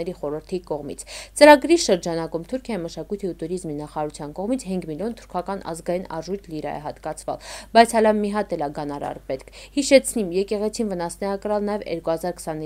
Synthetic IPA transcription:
ɛɾiχɔɾəɾt̪ʰikɔʁmḭt͡sʰt͡səɾɑɡɾiʃəɾd͡ʒɑnɑkumt̪ʰuɾkʰjɑjiməʃɑkujt̪ʰiut̪uɾizminɑχɑːɾut͡sʰjɑnkɔʁmit͡sʰɦiŋɡmiljɔnt̪ʰuɾkʰɑkɑnʔɑ̰zɡɑjinɑ̰ʒujt̪ʰliɾɑ̰jɛ̰ɦɑt̪kɑt͡sʰvɑ̰lbɑjt͡sʰɑlɑmmːiɦɑt̪ɛlɑɡɑnɑɾɑ̰ɾpɛt̪kʰhiʃɛt͡sʰnimjɛkɛʁɛt͡sʰinvənɑsnɛɑkəɾɑlnɑjɛvjɛ̰ɾkuhɑzɑɾkʰsɑni

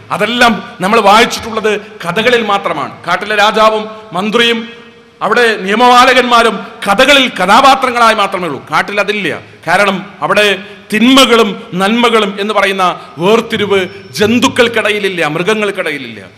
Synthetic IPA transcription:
ɐðe̞lːaːmnɐmːɐɭʋaːjit͡ɕːi̥ʈːuɭːɐðɨkɐðɐɣɐɭilmaːt̪rɐma̰ːɳɨ̰kaːʈːilːɐɾaːd͡ʑaːʋɐmːɐnd̪rijum | ɐʋiɽe̞nijɐmɐʋaːlɐɣɐnmaːɾumkɐðɐɣɐɭilkɐd̪aːbaːt̪rɐŋːɐɭaːjmaːt̪rɐmeɭṵkaːʈːilɐðilːɐjɐ̰ | kaːɾɐɳɐmɐʋiɽe̞ | t̪inmɐɣɐɭumnɐlmɐɣɐɭume̞nːɨpɐrɐjunːɐ | ʋeːrt̪ːiɾuʋɨd͡ʑe̞nd̪ukːɐɭkɐɽɐjililːɐmrɨɣɐŋːɐɭkɐɽɐjililːɐ̰

